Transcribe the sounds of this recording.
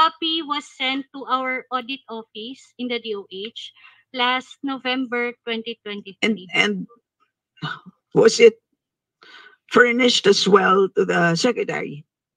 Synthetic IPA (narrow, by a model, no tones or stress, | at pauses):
apiwɔsːɛ̃nt̪ːuʔawəɹʔɔd̪ɪt̪ɔfɪsɪ̃nd̪ɐd̪iowʔet͡ʃ | last̪̚novɛ̃mbɛɹt̪wɛ̃nt̪it̪wɛ̃nt̪it̪iɛ̃nd̪̚ | wʌsɪt̪̚ | fɛɹnɪʃt̪ɐswɛlˠt̪uðəsɛkɹɛt̪ɛ̰ɹḭ